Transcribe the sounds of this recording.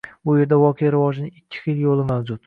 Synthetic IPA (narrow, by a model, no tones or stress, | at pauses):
bʊje̞ɾd̪avɒqʰejaɾɪvɒd͡ʒɪnɪɪkʲʰːɪ̥χiljolˠɪmawd͡ʒʊt̪